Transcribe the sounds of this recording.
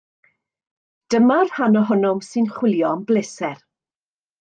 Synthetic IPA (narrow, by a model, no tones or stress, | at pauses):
d̥əmarhanɔɦʊnʊmsɨnχwɪlˠjɔmblɪsɛr